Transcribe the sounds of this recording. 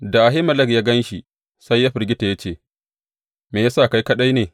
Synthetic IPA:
da˨ʔa˨ɦɪ˦mɐ˦lɐ˦kjaː˦ɡɐ˦nʃi˨ | sa˦jːa˦ɸɪ˨rɡʲɪ˦ta˨ja˦t͡ʃeː˦˨ | meː˨ja˦sa˦˨ka˦jkɐ˦ɗa˦jneː˨

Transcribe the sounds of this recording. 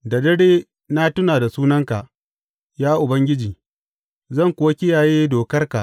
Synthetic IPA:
da˨dɐ˦ɽeː˦ | na˦tʊ˦naː˨da˨suː˦nɐ˦ŋka˨ʔ | jaː˦ʔʊ˨bɐ˦ŋɡʲɪ˦d͡ʒiː˨ | zɐ˦˨ŋkʷʊ˦wa˦kʲɪ˦jaː˨jeː˦doː˨kɐ˦rka˨ʔ

